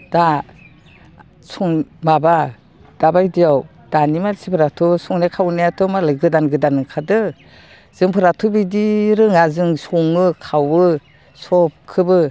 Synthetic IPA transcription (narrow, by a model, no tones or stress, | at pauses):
d̥a | sɔŋmaba | d̥abajdijaw | d̥animasipʰɯɾatʰɔsɔŋnakʰawnajatʰɔmalɯjɡɯdanɡɯdanɯkʰadɯ | z̥ɯŋpʰɯɾatʰubidiɾɯŋazɯŋsɔŋɯkʰawɯ | sɔp̚kʰɯbɯ